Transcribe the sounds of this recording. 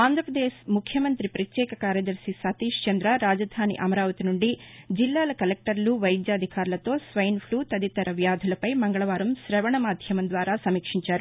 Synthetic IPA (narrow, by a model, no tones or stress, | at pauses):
aːnd̪ɾɐpɾɐd̪eːsmukʰjɐmɐnt̪ɾipɾɐt̪jɛːkɐkaːɾjɐd̪ɐɾsisɐt̪iːʂt͡ʃɐnd̪ɾɐɾaːd͡ʒɐd̪ʱaːnḭʔɐmɐɾaːʋɐt̪inuɳɖid͡ʒilːaːlɐkɐlek̚ʈɐɾɐluʋɐjd̪jaːd̪ʱikaːɾlɐt̪oːsʋɐjɐnpʰluːt̪ɐd̪it̪ɐɾɐʋjaːd̪ʱulɐpɐjmɐŋɡɐɭɐʋaːɾɐmʃɾɐʋɐɳɐmaːd̪ʱjɐmɐnd̪ʋaːɾaːsɐmiːkʂiɲt͡ʃaːɾu